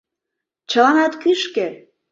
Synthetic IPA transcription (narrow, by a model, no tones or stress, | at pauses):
t͡ɕə̆lɑnɑt̪kyʃke